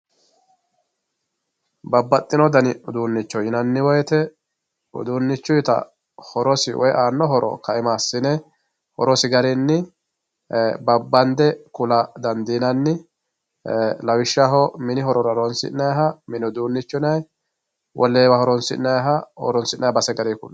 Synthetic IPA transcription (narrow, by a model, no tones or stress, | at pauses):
bɐbːɐt̪ʼːɪnɔd̪ɐnɪʊd̪uːnːɪt͡ʃːɔjɪnɐnːɪwɔjɛt̪ɛ | ʊ̰d̪uːnːɪt͡ʃːʊjt̪ɐ̰ | hɔɾɔsɪwɔ̰jʔaːnːɔɦɔɾʔɔ̰kɐɪmaːsːɪnɛ | hɔ̰ɾɔsɪɡɐɾɪnːɪ | bɐbːɐnd̪ɛkʊlɐd̪ɐnd̪inɐnːɪ | lɐwɪʃːaɦɔmɪnɪɦɔɾɔɾɐɾɔnsɪ̰nɐjɦɐmɪnɪd̪uːnːɪt͡ʃːʊnɐj | wʔɔlːeːwɐhɔɾɔnsɪnɐjɦɐɔ̰ɾɔnsɪnːɐjbɐsɛɡɐɾikʊ̰lː